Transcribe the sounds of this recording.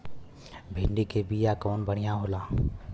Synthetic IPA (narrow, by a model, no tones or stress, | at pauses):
bʱɪ̃ɳɖikebiːjakɔːnbəɽ̤ijãɦoːlaː